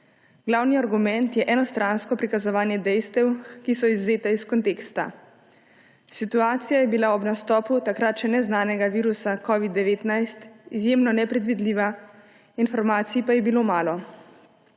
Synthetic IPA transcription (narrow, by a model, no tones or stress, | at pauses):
ɡ̥lawniaɾɡumɛnt̪jɛʔɛnɔst̪ɾanskɔpɾikazɔʋaːnjɛd̪ɛjst̪ɛwkisɔizuzeːt̪aiskɔnt̪eːkst̪a̰ | sit̪uaːt̪sijajɛbilaɔbnast̪ɔːput̪akɾat̪ʃɛnɛznaːnɛɡaʋiːɾusakɔʋid̪ːɛʋeːt̪najst̪izjeːmnɔnɛpɾɛd̪ʋid̪liːʋa | infɔɾmaːt̪siipajɛbiloːmaːlɔ